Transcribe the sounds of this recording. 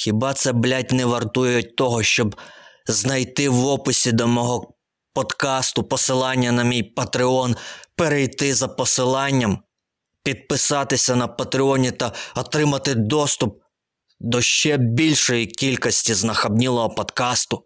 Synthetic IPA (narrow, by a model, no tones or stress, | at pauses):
xʲibɑt̪sɛblʲat̚ʲnɛʋɐrt̪ujʊjʊt̚ʲt̪ɔɦɔʃt͡ʃɔbznɐjt̪ɪwʋɔpʊsʲid̪ɔmɔɦɔ | pɔd̪kɑst̪ʊpɔsɪlˠɑnʲːɐnɐmʲijpɐt̪ɾɪɔnpeɾejt̪ɪzɐpɔsɪlˠɑnʲːɐm | pʲid̪̚pɪsɑt̪ɪsʲɐnɐpɐt̪ɾɪɔnʲit̪ɐɔt̪ɾɪmɐt̪ɪd̪ɔst̪ʊp̚ | d̪ɔʃt͡ʃɛbʲilʲʃɔjikʲilʲkɔsʲtʲiznɐxɐbnʲilˠɔɦɔpɔd̪kɑst̪ʊ